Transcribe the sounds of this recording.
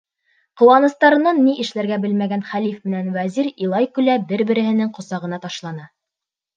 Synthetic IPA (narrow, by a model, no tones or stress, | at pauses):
qŏwɑnɤ̆st̪ɑɾɤ̆nɑnːiʔɘ̆ʃlæɾɡæbɘlmæɡænχælifmɘ̆nænwæziɾilˠɑjkʉlæbɘɾbɘ̆ɾɘ̆ɦhɘ̆nɘŋqŏsɑʁɤ̆nɑt̪ɑʃlˠɑnɤ